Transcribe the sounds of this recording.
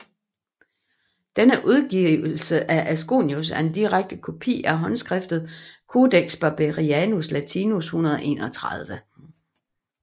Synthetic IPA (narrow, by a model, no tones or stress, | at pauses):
d̥enəʔuð̞ˠɡ̥iʊl̩l̩səʔæʔæsɡ̥o̝̰ːnjus̬æɐe̝nd̥iʁaɡ̥̚d̥əkʰo̝pʰḭːæɐɦɒ̽nsɡ̥ʁɛfd̥ð̩ˠkʰo̝ːd̥eɡ̥sb̥ɑ̈b̥eʁiænuslæt͡sʰinushunɐð̞ˠʔe̝̰ːnɒ̽t͡sʰʁað̞ˠʋə